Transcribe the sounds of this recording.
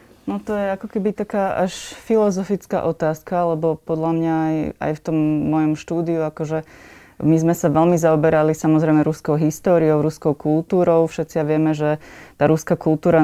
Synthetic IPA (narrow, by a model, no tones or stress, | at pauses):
nɔt̪ɔjɛakɔkɛbit̪akaːʔaʃfilɔzɔfit͡ska̰ʔɔt̪aːskaalɛbɔpɔd̪lamɲaja̰jft̪ɔmːɔjɔmʃt̪uːd̪iuakɔʒɛ | mizmɛsaʋɛlmizaɔbɛɾalisamɔzɾɛjmɛɾuskɔʊɦist̪ɔːɾiɔʊɾuskɔʊkult̪uːɾɔʊfʃɛt̪t͡sijaʋɪɛmɛʒɛt̪aːɾuskakulˠt̪uːɾa